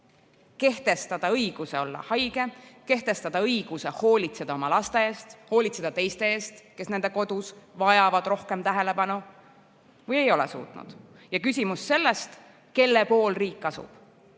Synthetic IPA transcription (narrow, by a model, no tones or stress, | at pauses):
ke̞ht̪e̞st̪ɑd̪̥ɑɤjɡ̥use̞o̞lːɑ̰hɑjɡ̥e̞ke̞ht̪e̞st̪ɑd̪̥ɑɤjɡ̥use̞ho̞ːlʲit̪se̞d̪̥ɑo̞mɑlɑst̪e̞eːst̪ho̞ːlʲit̪se̞d̥̪ɑt̪e̞jst̪e̞e̞ːst̪ke̞sne̞nd̪̥e̞ko̞d̪̥usvɑjɑvɑd̪̥ro̞hke̞mt̪æɦe̞le̞pɑnu | vɤje̞jo̞lḛsṵːt̪ˑnṵd̪̥ | jɑkysʲimusːe̞lːest̪ | ke̞lːepo̞ːlriːkːɑsṵb̥